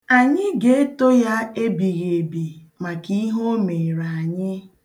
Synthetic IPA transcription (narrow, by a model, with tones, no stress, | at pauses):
a˨ɲɪ˦ɡe˦e˦to˦ja˦e˦bi˨ɣe˨e˨bi˨ | ma˨ki˦ɦo˦me˨ɾa˨a˨ɲɪ˦